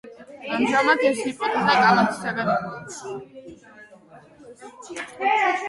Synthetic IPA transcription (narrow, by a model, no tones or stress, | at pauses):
amʒamat̪ʰɛsipʼɔt̪ʼad̪akʼalˠat̪ʰsaɡad̪a